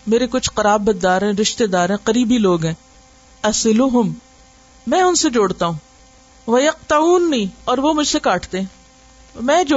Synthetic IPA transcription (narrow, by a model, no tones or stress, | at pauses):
meːɾekʊt͡ʃʰqɐɾaːbːɐd̪ːaːɾɦɛ̃ɾɪʃt̪ed̪aːɾɦɛ̃ːqɐɾiːbiloːɡɦɛ̃ː | ɐsɪlʊɦʊm | mɛ̃ːʊnsed͡ʒoːɽt̪aɦũː | ʋɐjɐq̚t̪ɐuːnːiːɔːɾʋomʊd͡ʒʱsekaːʈʰt̪eɦɛ̃ | mɛ̃ːd͡ʒo